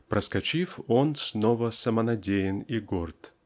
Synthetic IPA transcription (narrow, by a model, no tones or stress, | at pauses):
pɾəskɐt͡ɕifonsnovəsəmənɐdʲejɪniɡort̪